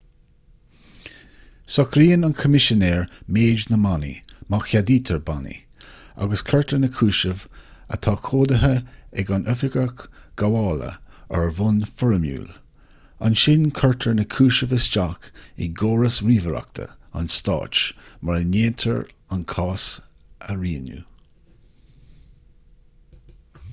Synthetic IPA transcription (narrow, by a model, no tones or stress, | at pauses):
sɔkɾiːənankʰəmɪʃənɛːɹmeːd͡ʒnəmanḭmaxjad̪iːt̪ʰəɹbanḭ | a̰ɡəskʰəɹtʰəɹnəkʰuːʃəvə̰t̪ʰɑːkʰoːd̪əɦəɛɡanʔœfɪɡəkɡ̥awɑːlə̰ | əɹvʊnfɔɹəmjṵːl | a̰nʃɪnkʰəɹtʰəɹnəkʰuːʃəvəsd͡ʒakḭɡoːɹəsɹiːvəɾa̰k̚t̪ʰə̰a̰nst̪ɑ̰ːt͡ʃmaɹəneːnt̪ʰəɹ | ankʰɑːs | əɹiːnjṵ